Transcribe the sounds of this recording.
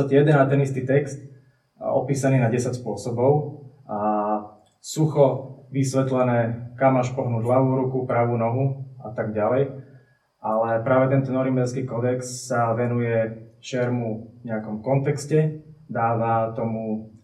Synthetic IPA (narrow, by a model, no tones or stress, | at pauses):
t̪atɛjɛd̪ɛnat̪ɛnist̪iːt̪ɛkst̪ | ɔ̰piːsaniːnaɟɛsacspʊɔsɔbɔʊ | a | suxɔʋisʋɛt̪lɛnɛːkamːaʃpɔɦnuːɟɦlaʋuːɾukupɾaʋuːnɔɦuat̪aɡɟalɛj | ʔalɛpɾaːʋɛt̪ɛnt̪ɔnɔɾimbɛlskiːkɔd̪ɛkssaʋɛnujɛt͡ʃɛɾmuvɲɛakɔmkɔnt̪ɛkscɛd̪aːʋat̪ɔmu